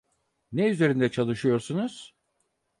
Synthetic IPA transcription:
nɛyze̞ɾind̪ɛt͡ʃʰalˠɯʃɯjo̞ɾsunuz̥

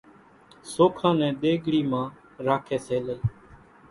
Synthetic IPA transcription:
soːkʰãːnɛ̃ːɗ̪eːɡɽiːmãː | ɾaːkʰeːseːleiː

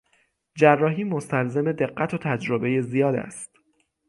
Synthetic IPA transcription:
d͡ʒærːɒːɦiːmo̞st̪ʰælze̞me̞d̪e̞ɢːæt̪ʰot̪ʰæd͡ʒɾobe̞je̞zijɒːd̪æ̰st̪

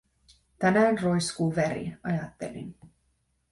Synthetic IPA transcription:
t̪ænæːnro̞jskuːʋæɾḭɑjɑt̪ːḛlḭn

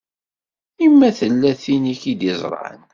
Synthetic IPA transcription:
imːæθəlːæθiniçid̪ɪzˤɾˤʕə̰n

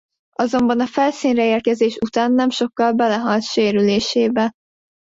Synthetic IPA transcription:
ɒzo̞mbɒnɒfɛlsiːnrɛeːrkɛzeːʃut̪aːnːɛmʃo̞kːɒlbɛlɛɦɒlt̪ʃeːɾyleːʃeːbɛ

